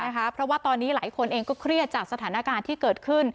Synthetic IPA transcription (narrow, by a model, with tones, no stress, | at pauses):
kʰa˦˥pʰɾɔ˦˥waː˥˩t̪ɔː˧nːiː˦˥laː˩˦jkʰo˧nʔeː˧ŋkɔː˥˩kʰɾi˥˩ət̪̚t͡ɕaː˨˩k̚sa˧t̪ʰaː˩˦na˦˥kaː˧nt̪ʰiː˥kɤː˨˩t̪̚kʰɯ˥˩n